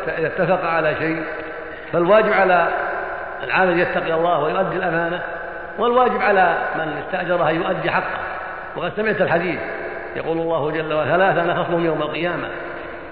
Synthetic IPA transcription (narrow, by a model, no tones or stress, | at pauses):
t̪aʔɪðat̪ːafɑqʕalaʃej | falwaːd͡ʒɪbʕala | ɪlʕamaljat̪ːɑqiɑlˤːɑːhwajʊʔad̪ːɪlʔamaːna | wɪlwaːd͡ʒɪbʕalamɪnɪst̪aʔd͡ʒɑɾˤɑhajʊʔad̪ːiħɑqːɑ̰ | wɑqɑd̪samɪʕt̪ɪlħad̪iːθ | jɑ̰quːlɑlˤːɑːhʊd͡ʒalːawaθalaːθanɑxɑsˤlʊhʊmjawmalqɨjaːma̰